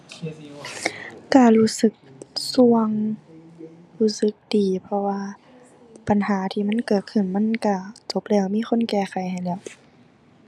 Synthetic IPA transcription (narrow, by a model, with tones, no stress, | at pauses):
ka˧˩luː˧˩sɯ˧˦k̚su˧˩əŋ | huː˧˥˩sɯ˧˦k̚diː˨˩pʰɔ˧waː˧ | pa˨nhaː˨˦t̪ʰiː˧˨ma˧˥˨nkɤː˨˩t̪̚kʰɯ˧˩˨nma˧˥˨nka˧˩t͡ɕo˧˦p̚lɛː˧˩wmiː˧˥˨xʰo˧˥˨nkɛː˧˩xa˨˩jha˨˩jlɛː˧˩w